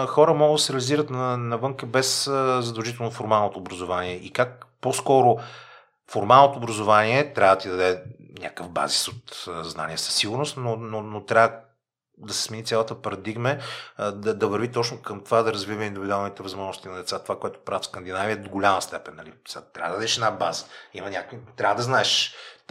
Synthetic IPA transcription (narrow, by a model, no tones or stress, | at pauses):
xɔɾəmɔɡəd̪ɐsɛɾɛəliziɾət̪nɐnɐvɤŋkəbɛszɐd̪ɐlˠʒit̪ɛlˠnofoɾmalˠnot̪oːbɾɐzʊvaniɛʔikak̚poskɔɾʊ | foɾmalˠnot̪oːbɾɐzʊvaniɛt̪ɾʲavəət̪id̪ɐd̪ɛ | nʲa̰kəvba̰zisot̪zna̰niəsə̥sːiɡʊɾnʊst̪nononot̪ɾʲavə | d̪ɐsɛ̥smɛnit̪sʲalˠət̪əpɐɾɐd̪iɡmɛd̪ɐd̪ɐvəɾvit̪ɔt͡ʃnokəmt̪ovad̪ɐɾɐzvivəind̪ubld̪alˠnit̪ɛvɐzmɔʒnʊst̪inɐd̪ɛt̪sat̪ovakoɛt̪o̥pɾavifskənd̪inaviəd̪oɡʊlʲaməst̪ɛpɛnːɐlist̪ɾavəd̪ɐd̪ɛʃɛd̪nabazə̥imɐnʲakit̪ɾʲavəd̪ɐznaɛʃ